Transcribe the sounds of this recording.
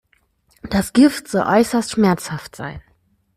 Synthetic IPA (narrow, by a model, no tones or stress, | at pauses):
d̥asɡ̥ɪftz̥ɔlʔɔʏsɐstʃmɛɐt͡shaftz̥a̰ɪn